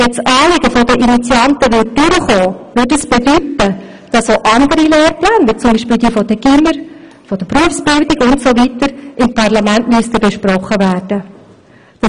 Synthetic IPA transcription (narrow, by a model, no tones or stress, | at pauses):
jɛt͡sʔɑːlɪɡəfɔdəʔinit͡sjɑntəʋɪt̚d̥ʏɾəχoːʋʏtəsb̥ɛdytə | d̥ɑsoʔɑndəɾileːɾplɛːnʋɪt͡sʊmbiːʃpiːldiːfɔd̥əɡ̥ɪməɾ | fɔd̥əpruəfsb̥ɪldɪɡʊntsovitəɾʔɪmpʰɑʁlɑmæntmyəstəbɛʃprɔχːəvæːrd̥ə | d̥ɑ